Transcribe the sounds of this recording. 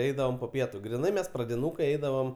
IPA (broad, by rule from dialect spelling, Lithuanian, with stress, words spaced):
ˈɛɪdɐʋoːm poː ˈpʲiɛtʊ ɡrʲɪˈnɐɪ ˈmʲɛs prɐdʲɪˈnuːkɐɪ ˈɛɪdɐʋoːm